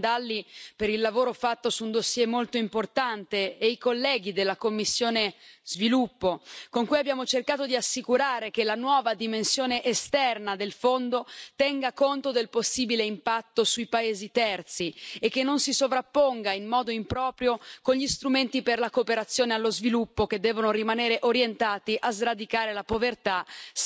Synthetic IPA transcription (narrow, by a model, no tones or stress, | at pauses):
d̪alːipeɾilːavoːɾofat̪ːosuːnd̪osjɛmolt̪oimport̪ant̪eejkolːɛːɡ̟id̪elːakomːisːjoːnezvilupːokoŋkujabːjaːmot͡ʃerkaːt̪od̪iasːikuɾaːɾekelanwɔːvad̪imensjoːneʔest̪ɛrnad̪elfond̪ot̪ɛŋɡakont̪od̪elposːiːbileimpat̪ːosujpaeːzit̪ɛrt̪siekːenːonsisovɾapːoŋɡainmɔːd̪oimpɾɔːpɾjokonʎist̪ɾument̪iperlakopeɾat̪sːjoːnealːozvilupːoked̪ːɛːvonorimaneːɾeʔoɾjent̪aːt̪iʔazrad̪ikaːɾelapovert̪a